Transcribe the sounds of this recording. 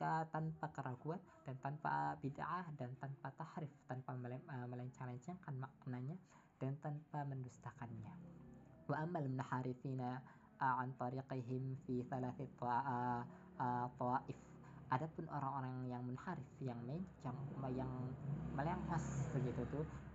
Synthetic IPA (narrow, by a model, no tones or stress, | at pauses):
kət̪anpakəɾaɡuand̥ant̪anpa̰bida̰ʕahdant̪anpat̪ahɾɪft̪anpaəməlaɲt͡ʃaŋlaɲt͡ʃaŋkanmaknaɲa | d̥ant̪anpaməndust̪akanɲa | waʔamːalmʊnħaɾɪθina | ʕant̪ˤɑɾiqiɦɪmfiθalaθit̪ | ət̪ˤɔaʔɪf | ʔadapʊnʔo̰ɾaŋoɾaŋjaŋmunhaɾɪfjaŋmleɲt͡ʃaŋjaŋməleŋhɔsb̪əɡit̪ut̪ʊ